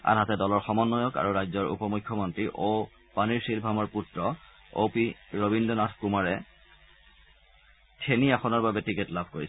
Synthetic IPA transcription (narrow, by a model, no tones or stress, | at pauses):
a̰nɦatɛdɔlɔɹxɔmɔnːɔjɔka̰ɹuɹajzɔɹṵpɔmukʰːɔmɔntɹiʔo | paniɹsilbʱamɔɹputɹɔ | o̰piɹobindɔnatʰkumaɹɛ | tʰeniaxɔnɔɹbabɛtiketlabʱkoɹisɛ